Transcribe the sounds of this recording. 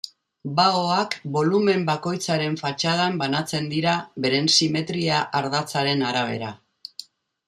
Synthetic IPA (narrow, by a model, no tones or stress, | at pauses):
baoakbo̞lume̞mbako̞jt͡saɾe̞ɱfat͡ʃaðambanat͡se̞nd̪iɾaβe̞ɾe̞nsime̞t̪ɾiaʔaɾðat͡saɾe̞naɾaβ̞e̞̰ɾa